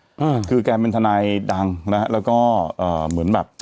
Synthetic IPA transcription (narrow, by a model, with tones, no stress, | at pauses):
ʔaː˧˩kʰɯː˧kɛː˧p̬e˧nt̪ʰa˧naː˧jda˧ŋna˦˥ha˦˥ʔlɛː˦˥wkɔː˥˩ʔɤː˨˩mɯ˩˦ənbɛː˨˩p̚